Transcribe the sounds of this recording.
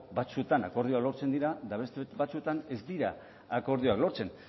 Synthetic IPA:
bat͡suet̪anako̞ɾðioaklo̞ɾt͡se̞nd̪iɾad̪aβest̪eβat͡sue̞t̪ane̞zd̪iɾa | ako̞ɾðioaklo̞ɾt͡se̞n

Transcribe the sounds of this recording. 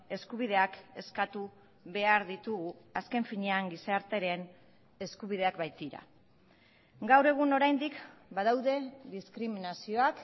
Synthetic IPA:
e̞skuβ̞iðe̞ake̞skat̪u | βe̞aɾðit̪uɣuaske̞ɱfiɲeaŋɡisɾt̪e̞ɾe̞n | e̞skuβ̞ið̞e̞akbajt̪iɾa̰ | ɡawre̞ɣ̞uno̞ɾajnd̪ikbaðawðe̞ðiskɾiminasio̞ak

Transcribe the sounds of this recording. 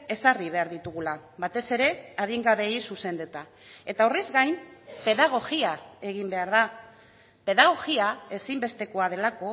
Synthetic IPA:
e̞sariβ̞e̞aɾðit̪uɣulaβat̪e̞se̞ɾe̞aðiŋɡaβe̞isuse̞nd̪et̪a | e̞t̪aurizɡajnpe̞ðaɣ̞o̞ɣiae̞ɣ̞imbe̞aɾða | pe̞ðaɣ̞o̞ɣiae̞simbe̞st̪e̞ko̞að̞e̞lako̞

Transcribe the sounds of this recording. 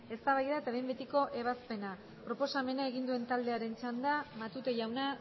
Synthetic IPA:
e̞st̪aβajðaet̪aβejmbe̞t̪iko̞ʔe̞βaspe̞na | pɾo̞po̞same̞nae̞ɣind̪ue̞nt̪ald̪e̞aɾe̞nt͡ʃand̪amat̪ut̪eʝawna

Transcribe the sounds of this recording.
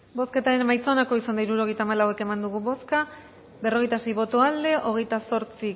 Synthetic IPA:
bo̞ske̞t̪aɾe̞nmajt͡so̞nako̞isand̪aiɾuɾo̞ɣ̞e̞jt̪aːmalawe̞ke̞mand̪uɣ̞uβo̞ska | be̞ro̞ɣ̞e̞jt̪ase̞jβo̞t̪oald̪e̞ʔo̞ɣe̞jt̪aso̞ɾt͡si

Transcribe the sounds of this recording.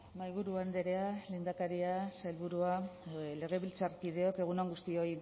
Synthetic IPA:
majβuɾuand̪eɾe̞ale̞ːnd̪akaɾiasajlβuɾuale̞ɣ̞e̞βilt͡sarkið̞e̞o̞ke̞ɣ̞unoŋɡust̪io̞j

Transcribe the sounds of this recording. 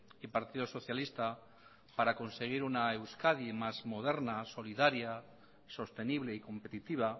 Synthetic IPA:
ipaɾt̪iðoso̞θjalist̪a | paɾako̞nse̞ɣ̞iɾunaewskaðimazmo̞ð̞e̞ɾnaso̞liðaɾja | so̞st̪e̞niβle̞iko̞mpe̞t̪it̪iβ̞a

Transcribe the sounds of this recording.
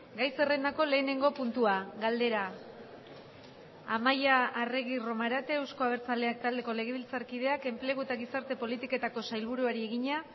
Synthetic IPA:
ɡajse̞re̞nako̞le̞ːne̞ŋɡo̞punt̪uaɡald̪e̞ɾa | amajaːre̞ɣiro̞maɾat̪e̞ːwsko̞aβ̞e̞ɾt͡saleak̚t̪ald̪e̞ko̞le̞ɣ̞e̞βilt͡saɾkið̞e̞ake̞mple̞ɣ̞ue̞t̪aɣisaɾt̪e̞po̞lit̪ike̞t̪ako̞sajlβuɾuaɾie̞ɣiɲa

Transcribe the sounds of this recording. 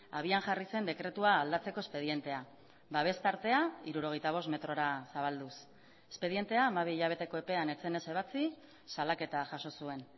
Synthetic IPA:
aβ̞ianʝarise̞nd̪e̞kɾe̞t̪uaːld̪at͡se̞ko̞espe̞ð̞ie̞nt̪e̞a | baβ̞e̞st̪aɾt̪e̞aiɾuɾo̞ɣ̞ejt̪aβ̞o̞st̪me̞t̪ɾo̞ɾasaβ̞ald̪us | e̥spe̞ð̞ie̞nt̪e̞aːmaβ̞iiʎaβ̞e̞t̪e̞ko̞e̞pe̞ane̞t͡se̞ne̞se̞β̞at͡si | salake̞t̪aʝaso̞sue̞n

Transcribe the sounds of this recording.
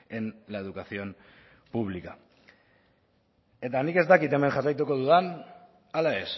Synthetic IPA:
enlaeð̞ukasio̞m | puβlika | e̞t̪anike̞zt̪akit̪e̞me̞ŋʝarajt̪uko̞ðuðan | alae̞s

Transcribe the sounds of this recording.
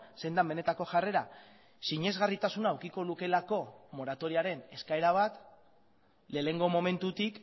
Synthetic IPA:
se̞jnd̪ambe̞ne̞t̪ako̞ʝare̞ɾa | siɲe̞zɣarit̪asunaːwkiko̞luke̞lako̞mo̞ɾat̪o̞ɾiaɾe̞ne̞skae̞ɾaβ̞at̪ | le̞ːle̞ŋɡo̞mo̞me̞nt̪ut̪ik

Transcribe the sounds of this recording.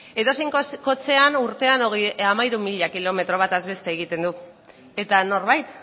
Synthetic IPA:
e̞t̪o̞sejŋkko̞t͡se̞anuɾt̪e̞anoɣamajɾumiʎakilo̞me̞t̪ɾo̞β̞at̪azβe̞st̪eːɣ̞it̪e̞nd̪u | e̞t̪ano̞ɾβajt̪

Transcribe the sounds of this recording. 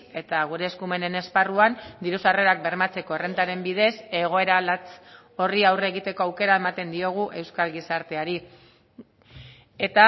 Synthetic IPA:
e̞t̪aɣ̞uɾe̞ːskume̞ne̞ne̞sparuand̪iɾusare̞ɾak̚be̞ɾmat͡se̞ko̞ere̞nt̪aɾe̞mbið̞e̞se̞ɣ̞o̞e̞ɾalat͡s | o̞riawre̞ɣit̪e̞ko̞awke̞ɾae̞mat̪e̞nd̪io̞ɣ̞uʔe̞wskalɣisaɾt̪e̞aɾi | e̞t̪a

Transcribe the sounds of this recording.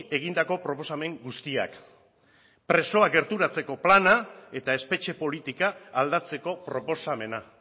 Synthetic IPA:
e̞ɣ̞ind̪ako̞pɾo̞po̞same̞ŋɡust̪ia̰k | pɾe̞so̞aɡe̞ɾt̪uɾat͡se̞ko̞planae̞t̪ae̞spe̞t͡ʃe̞po̞lit̪ikaːld̪at͡se̞ko̞pɾo̞po̞same̞na

